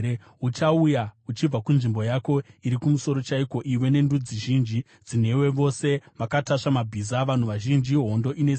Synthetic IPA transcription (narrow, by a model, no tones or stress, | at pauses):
ut͡ʃaujaut͡ʃib͡vakunʐimbo̞jako̞iɾikumuso̞ɾo̞t͡ʃaiko̞ʔiwe̞ne̞ndud͡ziʒind͡ʒi | d͡zin̤e̞we̞ʋo̞se̞ʋakataʂamabʱizaʋan̤uʋaʒind͡ʒiɦo̞ndo̞ʔines